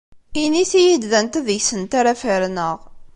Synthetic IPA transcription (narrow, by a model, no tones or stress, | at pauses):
iniθijid̪ðænt̪əðjsənt̪aɾæfəɾnəʁ